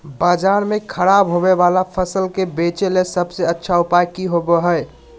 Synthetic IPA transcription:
bad͡ʒaɾmekʰəɾabɦobebalapʰəsəlkebet͡ʃelesəbseətːʃʰaupajkiɦoboɦəj

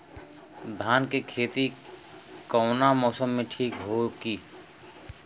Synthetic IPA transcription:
d̪ʱaːnkekʰeːt̪i | kɔːnamɔːsəmːẽʈʰiːkɦoɡiː

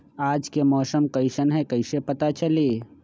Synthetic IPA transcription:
aːd͡ʒkemɔːsəmkəɪsənɦɛkəɪsepɐt̪at͡ʃəleː

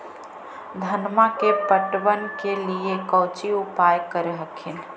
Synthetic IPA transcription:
d̪ʱɐnmakepəʈʋənkeliekəʊt͡ʃiʊpaːjkəɾeɦəkʰɪn

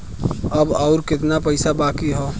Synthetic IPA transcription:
əbɔːʊɾkɪt̪napəɪsabaːkiɦoː

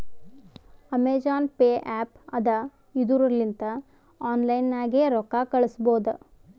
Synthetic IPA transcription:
ɐmeːd͡ʒaːnpeːʔaːpɐd̪ɐ | id̪uɾɐlːint̪ɐ | aːnlɐjnːaːɡeɾɔkːaːkɐɭusboːd̪u

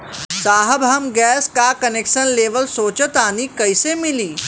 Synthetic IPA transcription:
saːɦəbɦɐmɡɛːskakɐneːkʃənleːʋəlsoːt͡ʃət̪aːnikɐisemɪliː

